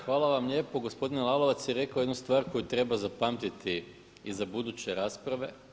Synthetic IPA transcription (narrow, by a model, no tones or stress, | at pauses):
xʋaːlˠaʋamlʎʲe̞ːpo̞ɡo̞spo̞d̪inelˠalˠo̞ʋat̪sjeɾe̞kaojd̪nust̪ʋaːɾko̞jut̪ɾe̞bazapaːmt̪it̪i | izabud̪ut͡ɕe̞ɾaːspɾaʋe̞